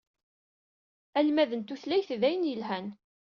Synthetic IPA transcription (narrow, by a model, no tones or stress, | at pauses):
ælmæðənt̪uθlæjθðæjənjəlɦæn